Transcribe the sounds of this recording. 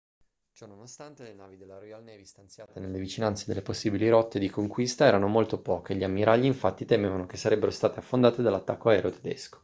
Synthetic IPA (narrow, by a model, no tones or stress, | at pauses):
t͡ʃɔnonost̪ant̪elenaːvid̪elːaɾojalnɛvist̪ant̪sjaːt̪enelːevit͡ʃinant̪sed̪elːeposːibiliɾɔt̪ːed̪ikoŋkwist̪aɛːɾanomolt̪opɔːk̟eʎiamːiɾʔaʎːiiɱfat̪ːit̪emevanok̟esːaɾɛbːeɾost̪aːt̪eafːond̪aːt̪ed̪alːat̪ːakːoaɛːɾeot̪ʰe̥d̪ḛsko̥